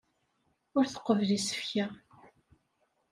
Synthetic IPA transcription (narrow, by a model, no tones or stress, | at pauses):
ʊɾθə̥qːəvlisə̥fça